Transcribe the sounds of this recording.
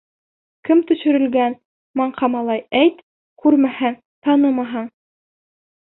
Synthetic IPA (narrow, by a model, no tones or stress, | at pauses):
kɘmt̪ɵ̆ʃɘ̆ɾɘ̆lɡæn | mɑɴqɑmɑlˠɑjæjt̪ | kʉɾmæhæŋ | t̪ɑnɤmɑɦɑɴ